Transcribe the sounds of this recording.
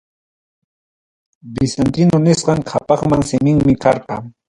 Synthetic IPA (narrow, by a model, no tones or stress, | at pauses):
bɪsant̪ɪnʊnɪsqɑŋkʰapɑχmaŋsɪmɪŋmɪkɑɾqɑ